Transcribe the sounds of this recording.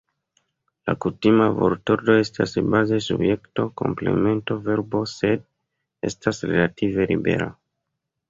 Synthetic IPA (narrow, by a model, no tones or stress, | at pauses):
la̰kutimavoɾtoɾdoe̞stʰasbaze̞sṵbje̞kto̞ko̞̰mple̞̰me̞nto̞ve̞ɾbo̞se̞d | e̞̰stasɾe̞latʰive̞libe̞̰ɾa̰